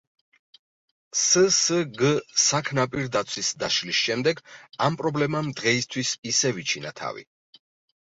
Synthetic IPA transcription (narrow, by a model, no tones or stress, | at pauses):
səsəɡəsakʰnapʼiɾd̪at̪sʰwisd̪aʃlisʃɛmd̪ɛɡampʼɾɔblɛmamd̪ʁɛist̪ʰwisisɛvit͡ʃʰinat̪ʰa̰vḭ